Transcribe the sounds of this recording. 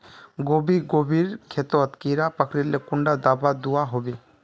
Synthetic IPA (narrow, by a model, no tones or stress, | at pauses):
ɡobiɡobʱiɾkʰɛt̪ɔt̪kiɾapakʰɾiɾlekuɳɖad̪abad̪uwaɦobi